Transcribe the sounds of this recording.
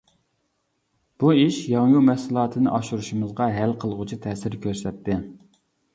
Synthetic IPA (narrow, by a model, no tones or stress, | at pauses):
b̥uiʃjɑŋjumɛhsɨlˠɑːt̪ʰɨnɨʔɑʃuɾuʃumɨzʁɑɦælqʰəlˠʁʊt͡ʃʰit̪ʰɛːsɪɾkʲʰøɾsɛt̪ʰːɪ